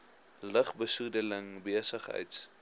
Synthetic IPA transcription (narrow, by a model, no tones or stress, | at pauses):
ləχbəsudələŋbiəsəχɦə̰jts